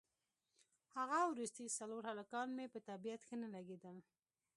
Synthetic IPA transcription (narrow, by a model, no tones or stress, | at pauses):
haɣawɾust̪ijsaloɾhalakɑnmepət̪abijat̪xənalaɡed̪əl